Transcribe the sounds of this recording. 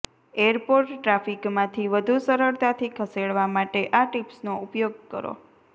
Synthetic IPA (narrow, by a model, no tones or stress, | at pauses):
eəɾpoɾʈːɾafikmãt̪ʰiʋəd̪ʱusəɾəɾt̪at̪ʰikʰəseɽʋamaʈeʔaʈipsnoupjoɡ̚kə̰ɾo̰